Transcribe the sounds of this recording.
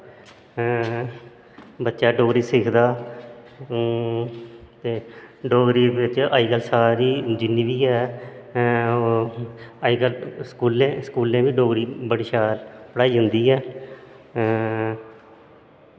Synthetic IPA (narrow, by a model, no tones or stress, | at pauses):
bətːʃaːɖoːɡɾiːsɪkʰd̪aː | t̪eːɖoːɡɾiːʋɪt͡ʃaːiːɡəlsaːɾiːd͡ʒɪnːiːʋiːɛː | o | aiːɡəlskuːlẽːsəkuːlẽːʋiːɖoːɡɾiːbəɽʃaːɾpəɽaːiːɦʊnd̪iːɛː